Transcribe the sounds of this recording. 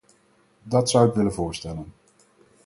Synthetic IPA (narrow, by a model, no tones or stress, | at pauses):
dɑtsʌwɪkʋɪlənvʊːɹstɛlən